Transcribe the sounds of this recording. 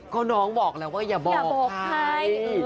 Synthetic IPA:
kɔː˥˩nɔː˦˥ŋbɔː˨˩k̚lɛː˦˥waː˥˩jaː˨˩bɔː˨˩bɔː˧˩aa˧˩˥j

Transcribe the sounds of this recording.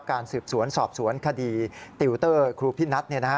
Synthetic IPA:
p̚kaː˧nsɯː˨˩p̚su˩˦ənsɔː˨˩p̚su˩˦ənkʰa˧diː˧t̪i˧wt̪ɤː˥˩kʰɾuː˧pʰi˦˥˩na˦˥t̪̚ni˥˩na˦˥

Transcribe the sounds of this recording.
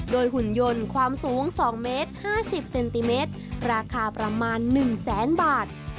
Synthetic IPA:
doː˧jhu˨˩njo˧nkʰwaː˧msuː˩˦ŋsɔː˩˦ŋmeː˦˥t̪̚haː˥˩si˨˩p̚se˧nt̪i˧meː˦˥t̪̚ɾaː˧kʰaː˧pɾa˧maː˧nːɯ˨˩ŋsɛː˩˦nbaː˨˩t̪̚

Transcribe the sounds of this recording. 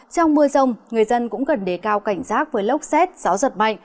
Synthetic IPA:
t͡ɕɔ˧wŋ͡mmɨ˧əzə˧wŋ͡mŋɨ˨˩əjzə˧nkʊ̰˧˥ŋ͡mkə˨˩nɗe˧˩kaː˧wka˧˩jŋ̟saː˦˥k̚vəː˨˦jlə˦˥wk͡p̚sɛ˦˥t̚z̥aː˨˦wzə˨˩t̚ma̰˧˨jŋ

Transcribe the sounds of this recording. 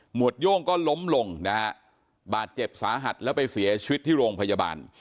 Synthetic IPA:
mu˨˩ət̪̚jo˥˩ŋkɔː˥˩lo˦˥mlo˧ŋna˦˥ | baː˨˩t̪̚t͡ɕe˨˩p̚saː˩˦ɦa˨˩t̪̚lɛː˦˥wpa˧jsi˩˦ɐt͡ɕʰi˧wi˦˥t̪ʰːiː˥˩ɾoː˧ŋpʰa˧ja˧ba̰ː˧n

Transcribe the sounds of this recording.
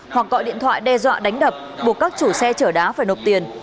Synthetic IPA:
hwa˨˩k̚ːɔ̰˧˨ɗḭ˧˨ənt̪ʰwa̰ː˧˨jɗɛ˧zwa̰ː˧˨ɗa˨˦jŋ̟ɗəː˨˩p̚ɓu˨˩ək̚kaː˦˥k̚t͡ɕu˧˩sɛ˧t͡ɕəː˧˩ɗaː˨˦faː˧˩jno˨˩p̚t̪i˨˩ən

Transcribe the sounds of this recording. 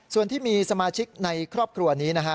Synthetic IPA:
su˨˩ənt̪ʰiː˥˩miː˧sa˧maː˧t͡ɕʰi˦˥k̚na˧jkʰɾɔː˥˩p̚kʰɾu˧ɐniː˦˥na˦˥kʰa˦˥

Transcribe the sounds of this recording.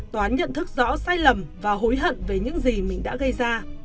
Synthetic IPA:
t̪ɔ˨aː˨˦nɲə̰˧˨nt̪ʰɨ˦˥k̚zɔ̰˧˥saː˧jlə˨˩mvaː˨˩ɦo˨˦jɦə̰˧˨nve˨˩ɲɨ̰˧˥ŋzi˨˩mï˨˩ŋ̟ɗa̰ː˧˥ɣə˧jzaː˧

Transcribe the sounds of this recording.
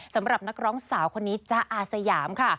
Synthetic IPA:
sa˩˦mɾa˨˩p̚na˦˥k̚ɾɔː˦˥ŋsaː˩˦wkʰo˧nːiː˦˥t͡ɕa˧˩ʔaː˨˩t̪̚sa˧jaː˩˦mkʰa˥˩

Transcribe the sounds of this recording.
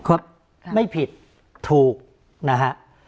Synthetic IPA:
kʰu˧˦˩ | ma˥˩jpʰi˨˩t̪ʰ | uː˨˩k̚ | na˦˥kʰa˦˥ʔ

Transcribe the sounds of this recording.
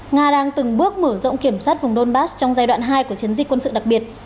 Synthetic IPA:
ŋaː˧ɗaː˧ŋt̪ɨ˨˩ŋɓɨ˦˥ək̚məː˧˩zo̰˧˨wŋ͡mki˧˩əmswaː˦˥t̚vʊ˨˩ŋ͡mɗo˧nɓaː˦˥st͡ɕɔ˧wŋ͡mzaː˧jɗwa̰ː˧˨nɦaː˧jku˧˩ət͡ɕi˨˦ənzi˨˩k̟kwə˧nsɨ̰˧˨ɗa˨˩k̚ɓi˨˩ət̚

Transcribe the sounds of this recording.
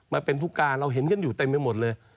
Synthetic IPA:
maː˧pe˧nt̪ʰu˦˥kːaː˧nɾa˧wɦe˨˦nkʰa˧˥˨njuː˨˩t̪e˧mːa˧˩mo˨˩t̪̚lɤː˧j

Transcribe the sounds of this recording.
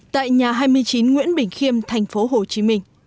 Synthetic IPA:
t̪a̰ː˧˨jɲaː˨˩ɦaː˧jmɨ˧əjt͡ɕi˨˦nŋwḭ˧˥ənɓï˧˩ŋ̟xi˧əmt̪ʰɛ˨˩jŋ̟fo˨˦ɦo˨˩t͡ɕi˨˦mï˧ŋ̟

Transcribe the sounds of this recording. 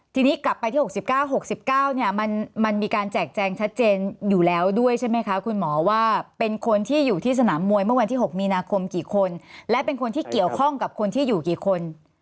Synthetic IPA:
t̪ʰiː˧niː˦˥kla˨˩pːa˧jt̪ʰiː˥˩o˨˩si˨˩p̚kaː˥˩wɦo˨˩k̚si˨˩p̚kaː˥˩wni˥˩ɐma˧nma˧nmiː˧kaː˧nt͡ɕɛː˨˩k̚t͡ɕɛː˧ŋt͡ɕʰa˦˥t̪̚t͡ɕeː˧njuː˨˩lɛː˦˥wdu˥˩əjt͡ɕʰa˥˩jma˦˥jkʰa˦˥kʰu˧nmɔː˩˦waː˥˩pe˧nkʰo˧nt̪ʰiː˥˩juː˨˩t̪ʰiː˥˩s̬a˧naː˩˦mːu˧əjmɯ˥˩əwa˧nt̪ʰiː˥˩ɦo˨˩k̚miː˧naː˧kʰo˧mkiː˨˩kʰo˧nlɛ˦˥pe˧nkʰo˧nt̪ʰiː˥˩ki˨˩əwkʰɔ˥˩ŋka˨˩p̚kʰo˧nt̪ʰiː˥˩juː˨˩kiː˨˩kʰo˧n

